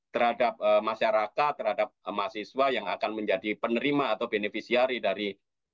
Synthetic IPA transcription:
t̪ərhadap̚əmaʃaɾakat̪̚ːərhadap̚masiswajaŋa̰kanməɲd͡ʒadipənəɾimaːt̪awbenefisiaɾidaɾi

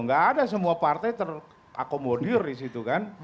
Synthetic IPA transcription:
ŋɡaːdas̬əmuapart̪ajt̪ər | ʔa̰komodirdisit̪ukan

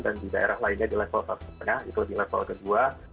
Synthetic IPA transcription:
dandidaʔeɾahlainɲadilɛfɔlsatsət̪əŋahḭt̪udilɛfɔ̰lkədua

